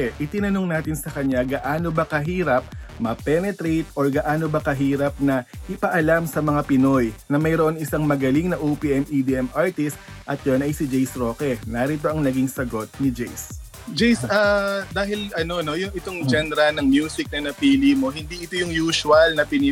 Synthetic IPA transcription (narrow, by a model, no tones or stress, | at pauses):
ʔɪt̪ɪnɐnoŋnaːt̪ɪnsɐkɐɲːaɡɐʔaːno̞bɐkɐɦiːɾɐp̚mɐpɛnɛt̪ɾejt̪ʔoɹɡɐʔaːno̞bɐkɐɦiːɾɐp̚nɐʔɪpɐʔɐlamsɐmɐŋapɪno̞jnɐmɐjɾoʔonɪsaŋmɐɡɐliŋnɐʔuːpiʔɛmid̪iʔɛmʔaɹt̪ɪst̪̚ʔɐt̪̚jonʔɐjsɪd͡ʒɛjsɾo̞ːkɛnɐɾit̪̬o̞ʔɐŋnɐɡiŋsɐɡo̞t̪̚nɪd͡ʒɛjs | d͡ʒɛjsad̪aːɦɪlʔɐno̞no̞jʊŋʔɪt̪o̞ŋd͡ʒɛnɛɾɐnɐŋmjuːsɪk̚nɐnɐpiːlimo̞ɦɪnd̪iʔɪt̪ojʊŋjuːsʊɐlnɐpɪni